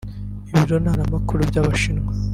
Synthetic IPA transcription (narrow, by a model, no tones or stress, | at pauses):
iβiɾonaːnamakuɾubɟaβaʃinŋwa